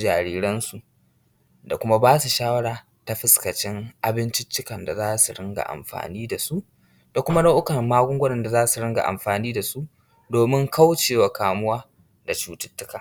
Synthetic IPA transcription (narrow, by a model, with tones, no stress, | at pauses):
d͡ʒaː˨ɾiː˦ɾɐ˦nsu˨ʔ | da˨kʷʊ˦ma˦baː˦su˨ʃaː˦wɐ˦ɽaː˨ | ta˦ɸɪ˦skɐ˨t͡ʃɪ˦ŋʔa˨bɪ˦nt͡ʃɪ˦t͡ʃːɪ˦kɐ˨nda˨zaː˦su˨ɽɪ˦ŋɡa̰˨ʔa̰˨mɸa̰ː˨niː˦da˨su˦ʔ | d̥a˨kʷʊ˦ma˦na˦ʔʊ˦kɐ˨rmaː˦ɡʷʊ˦ŋɡʷʊ˦nɐ˨nda˨zaː˦su˨ɽɪ˦ŋɡa̰˨ʔa̰˨mɸaː˨niː˦da˨su˦ʔ | doː˨mɪ˦ŋka˦wt͡ʃeː˨wa˨kaː˨mʊ˦waː˦ | da˨t͡ʃuː˦tɪ̥˦tːʊ˦kaː˨